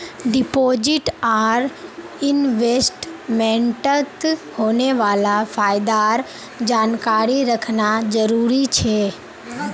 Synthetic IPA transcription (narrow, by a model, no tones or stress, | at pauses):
ɖɪpoːd͡ʒɪʈaːɾ | ɪnʋesʈmẽɳʈət̪hoːneʋaːlafʰaːjd̪aɾ | d͡ʒaːnkaːɾiɾəkʰnad͡ʒəɾuːɾit͡ʃʰe